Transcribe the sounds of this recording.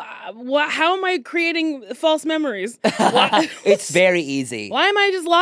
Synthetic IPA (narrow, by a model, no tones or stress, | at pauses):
wʌt̚haʊə̃maɪkʰɹ̥ieɪɾɪ̃ŋfɔlˠsmɛmə˞iz̥wʌɪtsvɛɹiizḭwaɪɨ̃maɪd͡ʒʌs̬tˡla